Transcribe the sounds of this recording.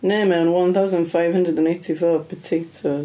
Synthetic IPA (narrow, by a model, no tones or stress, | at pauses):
nemɛ̃nwʌ̃nθaʊzə̃ndfaɪv̥hʌ̃ndɹədə̃nẽɪtʰifɔ̥ːpʰətʰeɪtʰə